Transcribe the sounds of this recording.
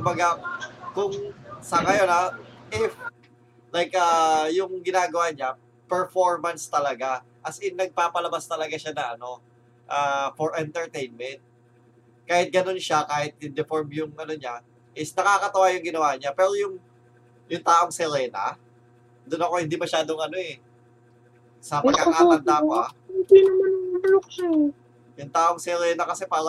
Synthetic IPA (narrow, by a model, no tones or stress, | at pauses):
kʊmbɐɡakʊŋsɐŋɐjo̞naʔɪf | lajkʔɐːjʊŋɡɪnaːɡɐwaɲa | pɛɹfoɹmɐnst̪ɐlɐɡaʔɐsɪnɐɡ̚paːpɐlɐbast̪ɐlɐɡaʃanɐʔɐno̞ | ʔaːfoɹʔɛnt̪ɛɹt̪ejnmɛnt̪̚ | kaːhɪt̪̚ɡɐno̞nʃakaːhɪt̪̚ɪnd̪ɛfoɹmjʊŋʔɐno̞ɲa | ʔɪsnɐkaːkɐt̪ɐwaːjʊŋɡɪnɐwaːɲapɛːɾo̞jʊŋ | jʊŋt̪aːʔo̞ŋsɛɾɛːna̰ | d̪onɐko̞hɪnd̪imɐʃaːd̪oŋʔɐno̞ʔɛ | sɐpɐɡkːakap̪ɐnd̪amoad̪inɐmɐnŋlokʃa | jʊŋt̪aːʔo̞ŋsɛɾɛːnɐkɐsɛpaːɾɐ